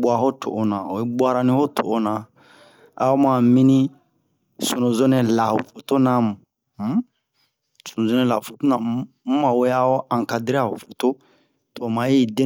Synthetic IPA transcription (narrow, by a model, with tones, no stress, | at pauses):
bwa˨ɦo˦to̰˨ʔo˦nã˨o˨i˦bwa˦ɾa˦nĩ˦ho˦tʰo̰ː˨˦nã˨ | a̰˨o˦mã˨mĩ˦nĩ˦ | so˨nõ˨zo˦nɛ̃˨la˨ho˨fo˨to˦nã˦mũ˨˦ | so˨nõ˨zo˦nɛ̃˨la˨fo˨to˦nã˨mũ˦mã˨we˦a˦o˦ã˨ŋka˨di˦ɾa˦˨ho˨fo˨to˦ | to˨mã˨˦i˦˨dẽ˦